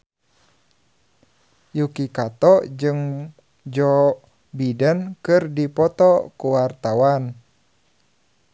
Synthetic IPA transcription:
jukikat̪ɔd͡ʒɨŋ | d͡ʒɔ | bidənkɨrdipɔt̪ɔkuwart̪awan

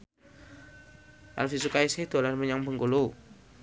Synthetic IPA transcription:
ʔa̰lfisukaisɪhd̪̥o̤lanməɲaŋbəŋkulu

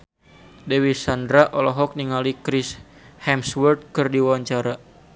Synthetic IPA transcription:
dɛwisandɾaʔɔlɔɦɔk̚niŋalikɾis | hɛmswərt̪̚kɨrdiwawaɲt͡ʃaɾa

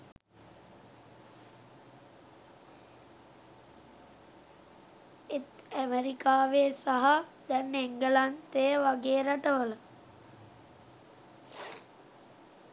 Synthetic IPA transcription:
et̪æmeɾikaːʋeːsaɦad̪ɛnːeŋɡəlant̪ejəʋaɡeːɾaʈəʋələ

